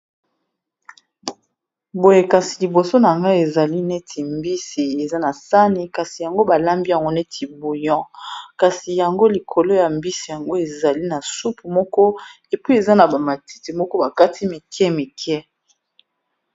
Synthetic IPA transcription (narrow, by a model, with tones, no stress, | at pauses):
bo˨je˨ka˨si̥˨li˨bo˨so˦na˨ŋɡa˦e˨za˨li˦nɛ˦tʰi˨mbi˦si˨e˨za˦na˨sa˦ne˨ka˨si˨ja˨ŋɡo˦ba˨la˦mbi˦ja˨ŋɡo˦nɛ˦tʰi˨bo˨jɔ̃˦ka˨si˨ja˨ŋɡo˦li˨kʰo˨lo˦ja˨mbi˦si˨ja˨ŋɡo˦e˨za˨li˦na˨su˦pu˨mɔ˦kɔ˦ | e˨pi˦e˨za˦na˨ba˨ma˨ti̥˦ti˨mɔ˦kɔ˦ba˨ka˦tʰi˦me˨kjɛ˦me˨kʰjɛ˦